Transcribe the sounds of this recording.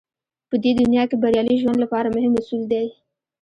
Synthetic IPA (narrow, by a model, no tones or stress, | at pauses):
pəd̪ed̪ʊnjɑkebaɾjɑliʒwand̪lapɑɾamʊɦɪmʊsuld̪aj